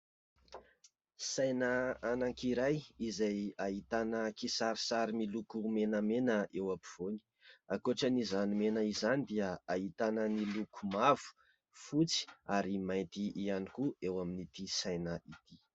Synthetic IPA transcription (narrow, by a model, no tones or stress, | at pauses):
sajnəanaŋkiɾajizajaɦit̪anəkisaɾisaɾimilukumenəmenəewapiv̥oni̥akoʈ͡ʂənizanimenəizanid̪iəaɦit̪anənilukumav̥u̥ | fut͡si̥aɾimajnt̪iʔianikuewaminit̪isajnəit̪i